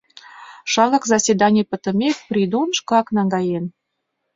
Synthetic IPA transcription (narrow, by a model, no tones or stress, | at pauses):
ʃɑɣɑkzɑsʲed̪ɑnʲepə̆t̪ə̆mʲek̚prʲid̪onʃkɑknɑŋɡɑjen